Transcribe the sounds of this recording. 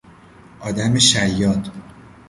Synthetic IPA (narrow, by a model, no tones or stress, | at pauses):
ʔɒːd̪æmeʃæjːɒːd̪